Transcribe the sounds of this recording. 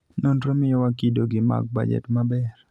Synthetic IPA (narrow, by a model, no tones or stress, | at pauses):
nondɾomɪjɔwakidoɡɪma̰k̚ba̰d͡ʒɛ̰tmabɛr